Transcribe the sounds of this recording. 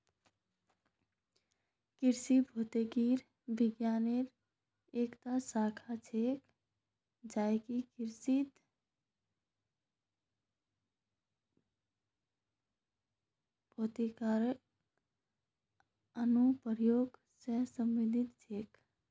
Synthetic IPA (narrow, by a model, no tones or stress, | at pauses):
kɪɾsibʱoːt̪eɡiːɾ | bɪɡjaːneɾ | eːkt̪asaːkʰat͡ʃʰeːk | d͡ʒaːekikɪɾsit̪ | bʱoːt̪ikaːɾ | ənupəɾjoːɡ | sesə̃mʋid̪ʱɪt̪t͡ʃʰeːk